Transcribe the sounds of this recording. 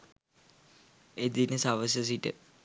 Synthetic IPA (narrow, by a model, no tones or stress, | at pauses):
ed̪inəsaʋəs̬əs̬iʈə̰